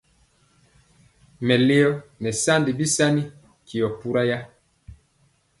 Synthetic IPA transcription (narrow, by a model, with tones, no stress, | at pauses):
mɛ˨le˦ɔ˦nɛ˨sa˦ndi˨bi˦sa˦ni˦ | ki˨ɔ˨pu˦ɾa˦ja˦